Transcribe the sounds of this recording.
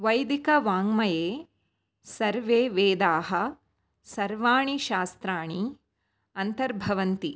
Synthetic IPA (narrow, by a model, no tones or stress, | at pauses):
ʋɐjd̪ikɐʋaːŋmɐjeː | sɐɾʋeːʋeːd̪aːɦɐ̆ | sɐɾʋaːɳiʃaːst̪ɾaːɳi | ɐnt̪ɐɾbʱɐʋɐnt̪i